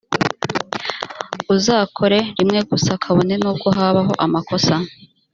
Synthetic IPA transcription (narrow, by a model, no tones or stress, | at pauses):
uzaːkʰo̞ɾe̞ɾimŋe̞ɡusakʰaβo̞ne̞nuːb̚ɡo̞ɦaːβaɦo̞ʔamakʰo̞sa